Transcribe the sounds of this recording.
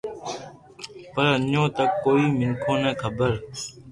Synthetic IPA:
pəɾəɲõːt̪əkːoːiːmɪŋkʰõːnɛ̃ːkʰəbəɾ

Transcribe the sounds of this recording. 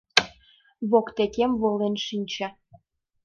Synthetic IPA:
βokt̪ekemβolenʃinʲt͡ɕɑ

